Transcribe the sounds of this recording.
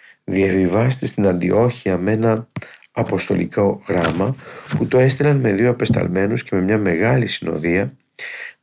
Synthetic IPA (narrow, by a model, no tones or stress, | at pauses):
ðiɐvivɐst̪est̪inɐnd̪iʔo̞çiɐme̞nɐː | po̞st̪o̞̰lḭko̞ɣɾɐmɐput̪o̞e̞st̪ilɐnme̞ðio̞ɐpe̞st̪ɐ̰lme̞nusce̞me̞mɲɐme̞ɣɐlisino̞̰ðiɐ